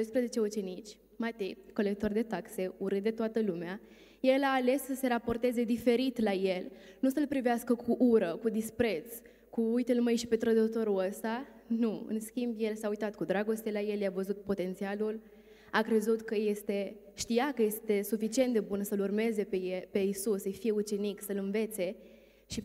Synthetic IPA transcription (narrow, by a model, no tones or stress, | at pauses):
d̪ojspɾəze̞t͡ʃe̞ut͡ʃe̞nit͡ʃʲ | mat̪ejko̞le̞k̚t̪o̞rd̪e̞t̪akse̞uɾɨd̪e̞t̪oat̪əlumea | je̞laːle̞sːəse̞ɾapo̞rt̪e̞ze̞d̪ife̞ɾit̪laje̞lnusəlpɾiveaskəkʰuʔuɾəkud̪ispɾe̞t̪s | kuujt̪elməjʃi̥pe̞t̪ɾəd̪ot̪o̞ɾuəst̪a | nuɨ̰nskʲimbje̞lsaujt̪at̪̚kud̪ɾaɡo̞st̪elaje̞ljavəzut̪̚po̞t̪e̞nt̪sialul | akɾe̞zut̪kəje̞st̪e̞ʃt̪ijakəje̞st̪e̞sufit͡ʃie̞nt̪d̪e̞bunsəlurme̞ze̞pejepe̞isusːəjfije̞ut͡ʃe̞niksəlɨnve̞t̪se̞ | ʃi